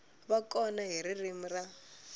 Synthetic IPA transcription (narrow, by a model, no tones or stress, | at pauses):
βakʼɔnaɦiɾirim̩ra